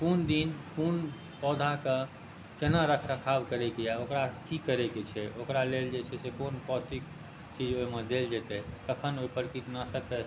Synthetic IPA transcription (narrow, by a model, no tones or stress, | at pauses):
kund̪inkun | pɔd̪ʱake | kenaɾəkʰɾəkʰabkəɾɛkejaokɾakikəɾɛket͡ʃʰɛokɾaleld͡ʒet͡ʃʰɛsekonpɔsʈik | t͡ʃid͡ʒoimed̪eld͡ʒɛt̪ɛt̪əkʰənoipəɾkit̪nasəkɛ